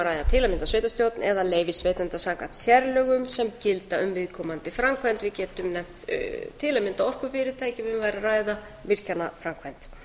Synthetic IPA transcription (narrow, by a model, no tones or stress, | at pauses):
ɾaːjðat̪ʰɪlamɪnt̪asveːjt̪ast̪jowt̪nɛðaleːjvɪsvejt̪ant̪asaːkat̪sjɛɾlœɣʏmsɛmcɪlt̪aʏmvɪðkʰɔːmant̪ɪfɾamkʰvant̪vɪðcɛːt̪ʏmnɛm̥t̪t̪ʰːɪːlamɪnt̪aɔr̥kʏfɪɾɪɾt̪ʰaːjcɪvɪvaːjɾaraːjða | vɪr̥canafɾamkʰvajnt̪